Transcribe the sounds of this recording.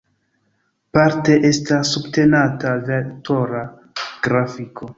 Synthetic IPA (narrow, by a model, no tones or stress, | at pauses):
paɾte̞ʔe̞stasːubte̞natavetʰo̞ɾa | ɡ̥ɾafikʰo̞